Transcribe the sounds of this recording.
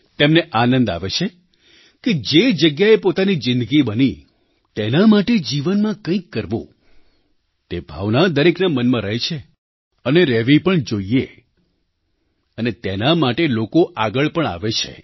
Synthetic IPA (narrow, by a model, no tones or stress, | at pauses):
t̪emneʔanə̃nd̪a̰ʋet͡ʃʰe | ked͡ʒed͡ʒəɡjaepot̪anid͡ʒɪnd̪əɡibəni | t̪enamaʈed͡ʒiʋənmãkə̃ĩkːəɾʋõ̰ | t̪ebʱa̰ʋnad̪əɾeknamənmãɾəɦet͡ʃʰe | əneɾɛʋipəɳd͡ʒoie | ənet̪enamaʈelokoʔaɡəɭpəɳa̰ʋet͡ʃʰḛ